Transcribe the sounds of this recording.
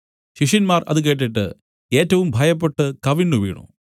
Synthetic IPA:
ɕiʂinmaːrɐ̰ðɨk̬e̞ːʈ̬ːiʈːɨ̰ | e̞ːtːɐʋumbʱɐjɐp̬ːe̞ʈːɨkɐʋinːuʋḭːɳṵ

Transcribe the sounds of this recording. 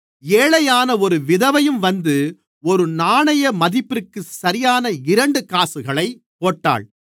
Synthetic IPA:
eːɭɐjaːnɐɔɾɯʋɪðɐʋɐjɯmʋɐnd̪ɯ | ɔɾɯnaːɳɐjɐmɐðɪpːɪɾɯkːɯsɐɾɪjaːnɐɪɾɐɳɖɯkaːsɯɣɐɭɐɪ | poːʈːa̰ːɭ

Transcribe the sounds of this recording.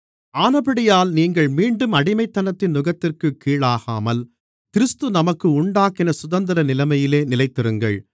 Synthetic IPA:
aːnɐbɐɽɪjaːlniːŋɡɐɭmiːɳɖɯmɐɽɪmɐɪt̪ːɐnɐt̪ːɪnːʊɣɐt̪ːɪrkɯkːiːɭaːɣa̰ːmɐl | kɪɾɯst̪ɯnɐmɐkːɯʊɳɖaːkɪnɐsʊðɐnd̪ɐɾɐnɪlɐmɐjɪleːnɪlɐɪt̪ːɪrɯŋɡɐ̰ɭ

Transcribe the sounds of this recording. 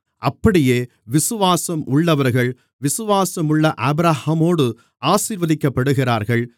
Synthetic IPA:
ʔɐpːɐɽɪjeː | ʋɪsɯʋaːsɐmʔʊɭːɐʋɐɾɣɐɭ | ʋɪsɯʋaːsɐmɯɭːɐʔɐbɾahɐmoːɽɯ | aːsiɾʋɐðɪkːɐpːɐɽɯɣɪraːɾɣɐɭ

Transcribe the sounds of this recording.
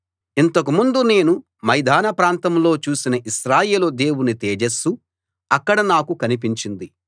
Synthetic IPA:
int̪ɐk̬umund̪une̞ːnu | mɐjd̪ʱaːnɐpɾaːnt̪ɐmlo̞ːt͡ʃuːsinɐʔiʃɾaːje̞ːlud̪e̞ːwunit̪eːd͡ʒesu | ɐkːɐɽɐnaːkukɐnip̬iɲt͡ʃind̪i

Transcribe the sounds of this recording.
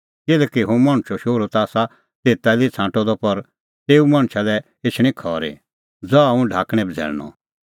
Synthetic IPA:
kɪlɛkiɦũmaːɽ̃t͡ʃʰɔʃoːɾot̪aːsa | t̪eːt̪alit͡sʰãːʈɔd̪ɔpɐɾ | t̪eːumãɽ̃t͡ʃʰalɛ | et͡ʃʰɽ̃ĩkʰɔːɾḛ | d͡zɔũɖʱaːkɽ̃ɛ̃bʱd͡zʱɛ̰ːɭñɔ̰

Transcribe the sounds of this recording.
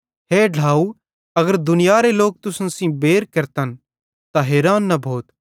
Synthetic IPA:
ɦeːɖ̤ʱaːu | ɐɡəɾd̪ʊnɪjaːɾeloːk̚t̪ʊsnsĩbeːɾkɐɾt̪ən | t̪aɦeːɾaːnːɐbʱoːt̪

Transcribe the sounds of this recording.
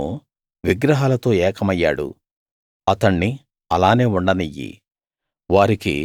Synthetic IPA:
ʋiɡɾɐɦaːlɐt̪o̞ːɛːkʰɐmɐjːa̰ːɽṵ | ɐt̪ɐɳːi | ɐlaːne̞ːuɳɖɐnijḭ | ʋaːɾikḭ

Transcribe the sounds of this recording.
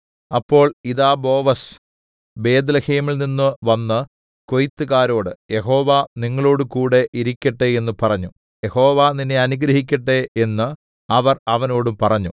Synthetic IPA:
ɐpːo̞ːɭiðaːbo̞ːʋɐs | be̞ːd̪lɐheːmilninːɨʋɐnːɨ | ko̞jit̪ːɨɣaːɾo̞ːɽɨje̞ɦo̞ːʋaniŋːɐɭo̞ːɽukuːɽe̞ʔiɾikʲːɐʈːee̞nːupɐrɐɲːu | jeho̞ːʋaninːe̞ɐnuɡɾɐɦik̬ʲːɐʈːeenːɨ | ɐʋɐrɐʋɐno̞ːɽumpɐrɐɲːu

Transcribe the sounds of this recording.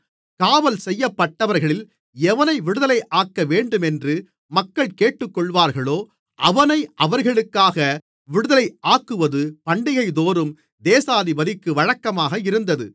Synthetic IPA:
kaːʋɐlsɛjːɐpːɐʈːɐʋɐɾɣɐɭɪl | ɛʋɐnɐɪʋɪɽɯðɐlɐɪʔaːkːɐʋeːɳɖɯmɛndrɯ | mɐkːɐɭkeːʈːɯkːɔɭʋaːɾɣɐɭoː | ʔɐʋɐnɐɪʔɐʋɐɾɣɐɭɯkːaːɣɐ | ʋɪɽɯðɐlɐɪʔaːkːɯʋɐðɯpɐɳɖɪɣɐɪd̪oːɾɯm | d̪eːsaːðiʋɐlɪkːɯʋɐɻɐkːɐmaːɣɐɪɾɯnd̪ɐðɯ

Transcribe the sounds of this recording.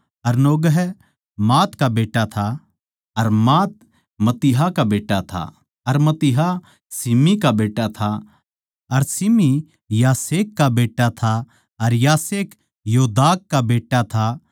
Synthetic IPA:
ɐɾnoːɡəɦ | maːt̪kabeːʈːat̪ʰa | ɐɾmaːt̪̚ | mɐt̪ɪɦakabeːʈat̪ʰa̰ | ɐɾmɐt̪ɪɦa | sɪmikabeːʈat̪ʰa | ɐɾsɪmi | jaːseːkːabeːʈːat̪ʰa | ɐɾjaːseːk | joːd̪aːkːabeːʈat̪ʰa

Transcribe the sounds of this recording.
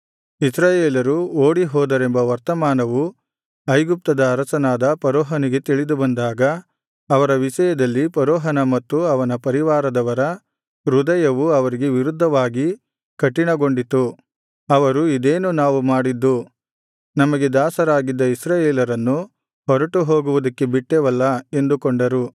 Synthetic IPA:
isɾaːjeːlɐɾuoːɽiɦɔːd̪ɐɾembɐʋɐɾt̪ɐmaːnɐʋu | ɐjɡup̚t̪ɐd̪ɐːɾɐsɐnaːd̪ɐpɐɾɔːɦɐniɡe̞t̪iɭid̪ubɐnd̪aːɡɐː | ʋɐɾɐʋiʃɐjɐd̪ɐlːipɐɾɔːɦɐnɐmɐt̪ːuɐʋɐnɐpɐɾiʋaːɾɐd̪ɐʋɐɾɐ | ɾud̪ɐjɐʋuɐʋɐɾiɡe̞ʋiɾud̪ʱːɐʋaːɡi | kɐʈːiɳɐɡo̞ɳɖit̪u | ɐʋɐɾuid̪eːnunaːʋumaːɽid̪ːu | nɐmɐɡe̞d̪aːsɐɾaːɡid̪ːɐisɾaːjeːlɐɾɐnːu | ɦɔɾɐʈuɦo̞ːɡuʋud̪ɐkːe̞biʈːɛʋɐlːɐe̞nd̪ukoɳɖɐɾu

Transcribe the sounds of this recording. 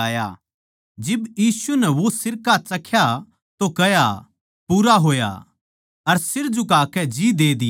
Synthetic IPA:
aːja̰ | d͡ʒɪbjiːsunɛʋosɪɾkat͡ʃɐkʰja | t̪okɐja | puːɾaɦoːja̰ | ɐɾsɪɾd͡ʒukaːkɛd͡ʒid̪eːd̪ɪ

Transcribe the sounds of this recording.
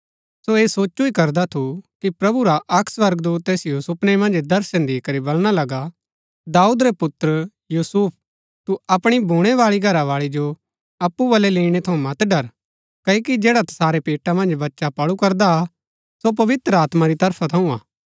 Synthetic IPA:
soeːsoːt͡ʃuikɐɾd̪at̪ʰukipɾɐbuɾaʔɐkʰsʋɐɾɡd̪uːt̪ːeːsjuːsʊpnemɐ̃nd͡ʒd̪ɐɾʃənd̪iːkɐɾibɐlɽ̃alɐɡa | d̪aːuːd̪ɾepʊt̪ɾə | juːsuːp̚ʰ | t̪uɐpɽ̃ibʱuːɽ̃eʋaːɭiɡʱɐɾaʋaːɭid͡ʒo | ɐpːubɐleleːɽ̃et̪ʰɐũmɐt̪ɖɐɾ | kɐkid͡ʒeːɽat̪ʰɐ̥saːɾepeːʈamɐ̃nd͡ʒbɐtːʃapɐɭukɐɾd̪a | sop̬ɐʋɪt̪ɾəaːt̪maɾit̪ɐɾpʰat̪ʰɐũa̰ː

